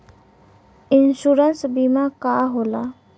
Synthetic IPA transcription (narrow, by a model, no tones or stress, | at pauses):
ɪnʃuːɾənsbimakaːɦoːlaː